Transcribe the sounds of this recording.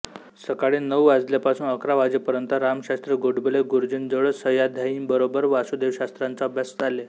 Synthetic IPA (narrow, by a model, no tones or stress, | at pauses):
səkaɽenːəʋad͡zljapasuːnəkɾaʋad͡zepəɾənt̪əɾamɕast̪ɾəɡoɽbəleɡuɾd͡ʑind͡zəɭəsəjad̪ʱjaimbəɾobəɾʋaɕud̪eʋɕast̪ɾant͡saəbʱjasd͡zale